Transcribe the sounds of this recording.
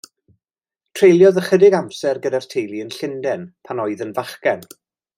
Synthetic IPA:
tʰr̥ejlˠjɔðəχədɪɡamsɛrɡədar̥tʰejlˠiənɬɪndɛnpʰanɔɨðənvaχkɛn

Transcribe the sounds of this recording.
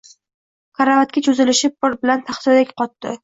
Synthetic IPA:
kʰaɾavat̪̚kʲat͡ʃʰɵzɪlɪʃɪp̚ːʊɾbɪlant̪ʰaχsɪd̪akʲqɒt̪ːɪ

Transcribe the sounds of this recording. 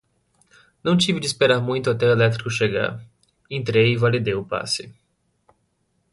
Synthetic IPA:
nɐ̃w̃t͡ʃivɪd͡ʒɪːspeɾaɾmũj̃t̪ʊat̪ɛelɛt̪ɾikʊʃeɡa̰ɾ | ẽnt̪ɾejɪvalid̪ejʊpa̰sɪ

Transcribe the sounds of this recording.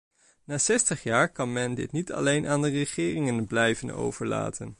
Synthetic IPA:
naːsɛstəχjaːɹkɑnmɛndɪ̰tnitʰɑ̰lejnʔaːndərəχɪːrɪŋənblɛjvəno̰wv̥əɹla̰ːtʰən

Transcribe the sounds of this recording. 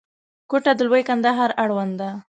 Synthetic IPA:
koʈad̪əlwəjkand̪aɦɑɾaɽwand̪a

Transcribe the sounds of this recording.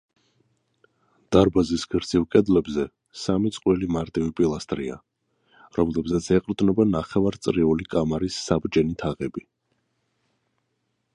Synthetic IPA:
d̪̥aɾbazisɡɾd̪zʰivkʼɛd̪lɛbzɛ | samit̪sʼqʼwilimaɾt̪ʼivipʼilˠast̪ʼɾia̰ | ɾɔmlɛbzat̪sʰɛqʼɾd̪nɛbanaχɛvaɾt̪sʼɾiulikʼamaɾisːabɾd͡ʒɛnit̪ʰaʁɛbi

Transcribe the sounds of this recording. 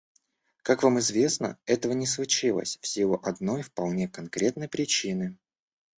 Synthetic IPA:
kakvamɨzvʲe̞snə̰ɛt̪əvənʲɪslˠʊt͡ɕilˠə̰sʲfsʲilˠʊʔɐd̪no̞jfpɐlˠnʲe̞kɐnkɾʲe̞t̪nəjpɾʲɪt͡ɕinɨ

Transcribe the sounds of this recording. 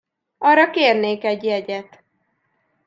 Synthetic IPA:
ɒrɒkeːrneːkɛɟjɛɟɛt̪

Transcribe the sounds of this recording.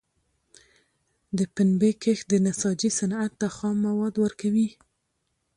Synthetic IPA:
d̪əpɪnbekəxd̪ənasɑd͡ʒisanat̪ːaxɑmːawɑd̪wəɾkawi

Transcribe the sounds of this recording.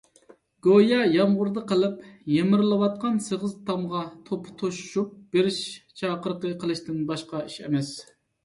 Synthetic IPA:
ɡ̥ojɑjɑmʁʊɾd̪əqʰəlˠɪpjemɪɾlˠɨwɑt̪̚qɑnsəʁəzt̪ʰɑmʁɑt̪ʰopʰt̪ʰoʃu̥ʃup̚b̥eɾɪʃt͡ʃʰɑːqəɾqəqʰəlˠɨʃt̪ɪnbɑʃqɑiʃɛ̰mɛs

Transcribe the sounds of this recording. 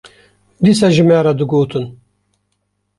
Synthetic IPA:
d̪isaʒɨmɛːɾad̪ɨɡoːt̪ʰɨn

